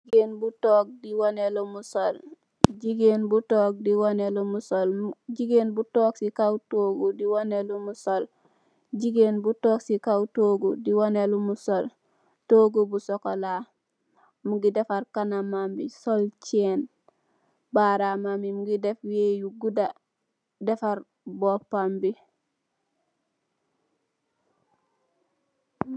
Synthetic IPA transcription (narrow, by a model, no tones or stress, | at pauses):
iɡenbutoːk̚diwonelomusol | ɟiɡenbutoːk̚diwonelomusolɟiɡenbutoːksikawtoːɡudiwonelomusol | d͡ʒiɡenbutoːksikawtoːɡudiwonelomusol | toːɡubusokola | muɡidefaɾkanamambisolt͡ʃen | baɾamamimuɡidefwejuɡuda | defaɾ | bopːambi